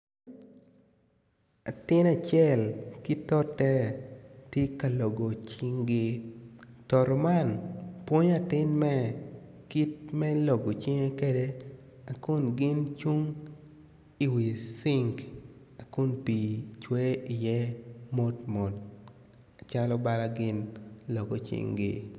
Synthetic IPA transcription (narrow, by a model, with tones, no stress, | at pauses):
a˨tɪ˦na˨t͡ʃjɛ˦˨lkɪ˦tɔ˦tɛ˦te˦ka˨lɔ˨ɡo˨t͡ʃiɪ˦ŋɡɪ˦ | tɔ˨ɾɔ˨ma˦˨npwo˦ɲa˨tɪ˦nmɛ˦ | ki˦t̚mɛ˦lɔ˨ɡo˨t͡ʃɪ˦ŋe˦ke˦de˦ | a˨kʊ˦nɡɪ˦nt͡ʃu˦ŋ | i˨wi˨sɪ˦ŋk | a˨kʊ˦npi˨t͡ʃwe˦ɪ˨jɛ˦mo˦tmɔ˨t | a˨t͡ʃa˦lɔ˦ba˦la˦ɡɪ˦nlɔ˨ɡɔ˨t͡ʃɪ̰˦ŋɡɪ̰˦